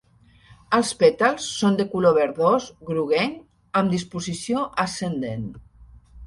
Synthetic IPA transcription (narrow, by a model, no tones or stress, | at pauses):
əlˠspet̪alˠsːond̪ekuloβeɾðozɣɾuɣeŋ | əmd̪ispuzisijoʔasend̪en